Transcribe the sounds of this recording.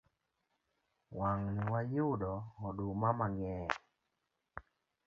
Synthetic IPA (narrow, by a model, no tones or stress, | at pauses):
waŋniwajʊdɔɔdumamaŋɛ